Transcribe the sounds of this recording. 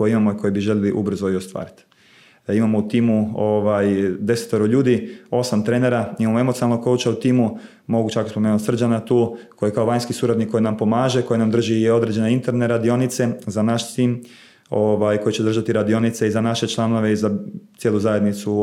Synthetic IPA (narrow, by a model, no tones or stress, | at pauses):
kojeimamo̞iko̞jebiʒelʲeliʔubr̩zoiost̪ʋa̰ːɾit̪ | imamo̞ut̪iːmuoʋajd̪e̞set̪eɾoʎuːd̪io̞samt̪ɾe̞ːne̞ɾaimamoe̞mot̪sinalˠnokout͡ʃaut̪iːmu | mo̞ɡut͡ʃakospomenut̪sr̩d͡ʒanat̪uːkojekaoʋajnskisuɾad̪nikːo̞jinampo̞maːʒe̞ko̞jinamd̪r̩ʒio̞d̪ɾed͡ʒe̞neint̪e̞ɾne̞ɾad̪io̞nit̪se̞zanaʃsiːm | o̞ʋajko̞jit͡ʃed̪r̩ʒat̪iɾad̪io̞nit̪seizanaʃe̞t͡ʃlˠano̞ʋe̞izat̪jelˠuzajed̪nit̪su